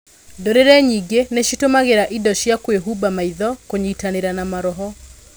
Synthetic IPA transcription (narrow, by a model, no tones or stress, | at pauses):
doɾeɾɛɲiɡeneʃitomaɣeɾaʔidɔʃjakweɦubamaiðɔkoɲiːtaneɾanamaɾɔɦɔ